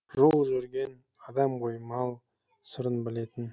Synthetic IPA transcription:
ʒolˠʒɵɾɡʲe̞n | ɑd̪ɑmqʰojmɑlˠ | səɾənbɪle̞t̪ɪn

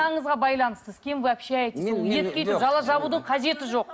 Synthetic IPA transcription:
ɑɴəzʁɑbɑjlˠɑnəst̪əz̥kʲʰe̞mvæpʃeɑjt̪eolˠjet̪kʲet̪ʒɑlˠɑʒɑbud̪əɴqʰɑze̞t̪ɪʒo̞q

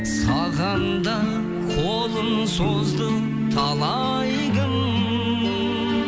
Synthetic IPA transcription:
sɑʁɑnd̪ɑ | qʰolˠənsozd̪ə | t̪ʰɑlˠɑ | j | ʁəŋ

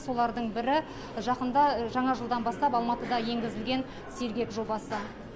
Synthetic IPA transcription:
so̞lˠɑɾd̪əɴbɪɾɪ | ʒɑqənd̪ɑʒɑɴɑʒəlˠd̪ɑnbɑst̪ɑpɑlˠmɑt̪əd̪ɑje̞ŋɡʲɪzɪlɡʲe̞n | se̞ɾɡʲe̞kʒo̞bɑsə

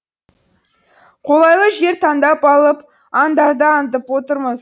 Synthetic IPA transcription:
qʰo̞lˠɑjlˠəʒe̞ɾt̪ʰɑnd̪ɑpɑlˠəp | ɑnd̪ɑɾd̪əɑnt̪̬əpwo̞t̪əɾməz

